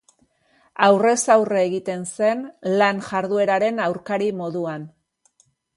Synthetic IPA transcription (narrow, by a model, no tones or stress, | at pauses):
awre̞sawreɣit̪e̞nse̞nlanʝaɾðue̞ɾaɾe̞nawɾkaɾimo̞ðuan